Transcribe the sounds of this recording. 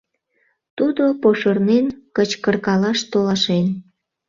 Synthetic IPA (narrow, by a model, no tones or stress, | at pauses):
t̪ud̪opoʃərnenkət͡ɕkərkɑlɑʃt̪olɑʃen